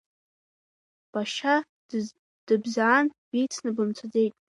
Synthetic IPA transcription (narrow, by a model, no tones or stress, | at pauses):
b̥aʃa | d̥ɨbzaːnbijt͡sʰnɨbɨmt͡sʷʰad͡ze̞jtʼ